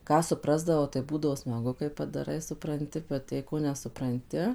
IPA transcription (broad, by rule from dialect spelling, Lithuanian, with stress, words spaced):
ˈkɑː sʊˈprɑːzdɐʋɐʊ tɐɪ ˈbuːdɐʋoː smɐˈɡʊ kɐɪ pɐdɐˈrɐɪ sʊprɐnʲˈtʲɪ bʲɛt jɛɪ ˈkoː nʲɛsʊprɐnʲˈtʲɪ